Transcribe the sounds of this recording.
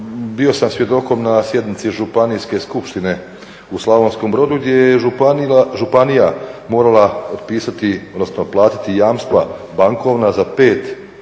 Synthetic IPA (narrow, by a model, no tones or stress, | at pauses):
bio̞samsʋje̞d̪o̞ko̞mnasje̞d̪nit̪siʒupanijske̞skupʃt̪ine̞ | uslˠaʋo̞nsko̞mbɾo̞d̪uɡd̪jeje | ʒupanijamo̞ːɾalˠaot̪piːsat̪iod̪nosno̞plˠaːt̪i̥t̪ijaːmst̪ʋa̰baŋko̞ʋnazape̞ːt̪